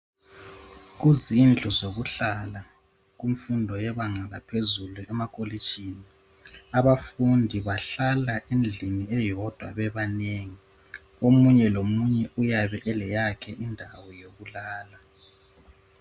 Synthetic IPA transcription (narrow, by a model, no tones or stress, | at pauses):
ɣuzind͡ɮʱuzoɣuɬala | ɣum̩fundʱɔjɛβaŋalapʰezuluɛmakʰʼoli̥t͡ʃʼini | aβafundʱiβaɬalaʔind͡ɮʱiniɛjɔd̥ʱwa̰βɛβaneŋi | omuɲɛlomuɲɛʔujaβɛʔɛlɛjakʰɛʔindʱawɔjoɣulaːla